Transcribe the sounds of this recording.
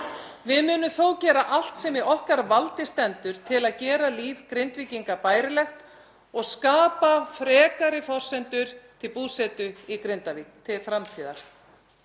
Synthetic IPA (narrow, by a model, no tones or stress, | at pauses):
vɪðmʏːnʏmθowcɛːɾaʔal̥t̪sɛmiɔhkaɾvalt̪ɪst̪ɛnt̪ʏɾ̥t̪ʰɪlaðcɛːɾaliːvkɾɪnt̪viːciŋkapaːjɾɪlɛxt̪ | ɔɣskaːpafɾɛːkaɾɪfɔr̥sɛnt̪ʏɾ̥t̪ʰɪlpuːsɛt̪ʏikɾɪnt̪avit̪ʰɪfɾamt̪ʰiːða̰ɾ̥